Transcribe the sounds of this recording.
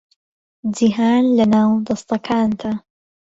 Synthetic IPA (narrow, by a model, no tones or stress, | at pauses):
d͡ʒiɦaːnlɐnaːwd̪ɐst̪ɐkʰaːnd̪a